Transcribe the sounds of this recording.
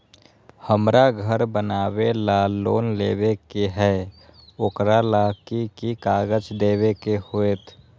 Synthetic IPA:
həmɾʔaɡʱəɾbənaːwelaloːnleːbekeɦɛ | okɾalakikikaːɡəd͡ʒd̪eːβekehoet̪ʰ

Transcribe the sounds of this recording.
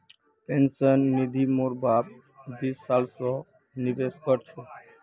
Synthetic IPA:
pensənːid̪ʱimoɾbab̚ | b̪isalsɔ | nibeʃkɔɾt͡ɕʰo

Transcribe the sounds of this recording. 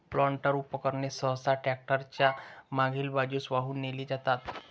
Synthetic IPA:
plɔɳʈəɾupəkəɾnesəɦsaʈɾɛk̚ʈəɾt͡ɕjamãɡʱiːlbad͡ʑuːsʋaɦuːnːeliːd͡zat̪at̪

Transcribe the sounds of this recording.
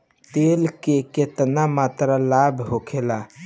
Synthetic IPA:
t̪eːlkeket̪namaːt̪ɾalaːbʱɦokʰela

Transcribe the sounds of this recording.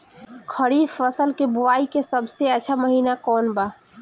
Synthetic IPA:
kʰəɾiːfəsəlkebʊʋaːikesəbʱseət͡ʃʰaməɦiːnakɔːnba

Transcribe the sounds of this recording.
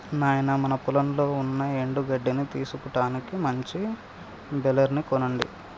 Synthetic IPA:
naːjɐnɐmɐnɐpulɐmlo̞ːunːɐeɳɖuɡɐɖːinit̪iːsukuʈaːnikimɐɲt͡ʃi | bɛlɐɾnikɔnɐɳɖḭ

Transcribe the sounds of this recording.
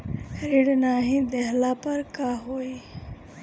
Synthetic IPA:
ɾeɽnaːɦĩd̪ɛɦlapəɾkaɦoːi

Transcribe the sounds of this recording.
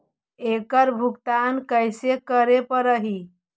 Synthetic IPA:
ekəɾbʱukt̪ankəjsekəɾepəɾəɦi

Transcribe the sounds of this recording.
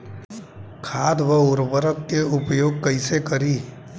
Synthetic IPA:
kʰaːd̪ʋəʊɾbəɾəkːeʊpjoːɡ̚kəisekɐɾiː

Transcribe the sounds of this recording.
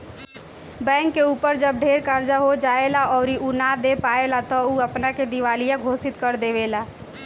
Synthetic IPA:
bɛ̃ːŋkːeuːpəɾd͡ʒəb̚ɖʱeːɾkaɾd͡ʒaɦod͡ʒaːelaɔːɾiunad̪epaːelat̪ɔuːəpnaked̪ɪʋaːlijãɡʱoːsɪt̪kəɾd̪eːʋelaː

